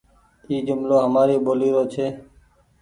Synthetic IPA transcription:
iːd͡ʒʊmloːɦəmaːɾeːɓoːliːɾoːt͡ʃʰeː

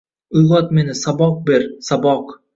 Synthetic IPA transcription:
ʊjʁɒt̪menɪsɑbɒq̚beɾsɑbɒq

